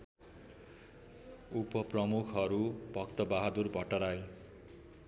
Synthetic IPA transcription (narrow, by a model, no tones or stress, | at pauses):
upʌprʌmukʰɦʌɾubʱʌkt̪ʌbaɦad̪urbʱʌʈʌɾaj